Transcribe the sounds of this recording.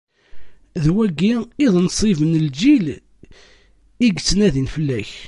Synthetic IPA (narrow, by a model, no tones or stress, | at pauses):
ðwæɡːiiðˤnsˤivənəld͡ʒil | iɡt͡sːənæðinfəlːæç